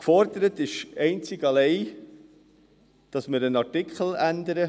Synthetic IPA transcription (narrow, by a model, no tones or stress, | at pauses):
kfɔɾd̪əɾət̪ɪʃɛɪnt͡sɪɡɑlɛɪ | d̥ɑsməɾənɑɾtɪkχəl̩ændəɾə